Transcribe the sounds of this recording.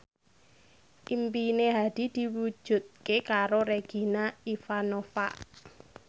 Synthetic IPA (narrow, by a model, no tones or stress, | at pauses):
ʔimpineɦad̪̥i̤d̪̥i̤wu̥ʒ̥ṳt̪̚kekaɾoɾeɡ̥i̤naifanofaʔ